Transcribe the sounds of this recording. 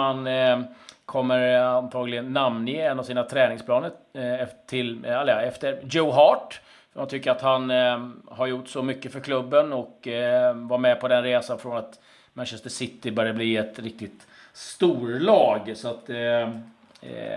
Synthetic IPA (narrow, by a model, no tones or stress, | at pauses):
an | kʰɔmːəɾant̪ʰɑːɡlɪɡənːamnɪɛnːavsiːnat̪ʰɾɛːnɪŋspʰlɑːnəɛt̪ʰɪlɛləɛft̪əɾd͡ʒoɦɑːʈ | fœmant̪ʰʏkːəɾat̪hanhaɾjʊʈːsɔmʏkːəfœɾkʰlɵbːənɔk | vaɾmɛpʰɔd̪ɛnɾeːsanfɾɔnat̪ | mænɕɛst̪əʂɪt̪ːɪbœːɾjəbliːɛt̪ɾɪk̚t̪ɪt̪ | st̪uːɾlɑːɡsɔat̪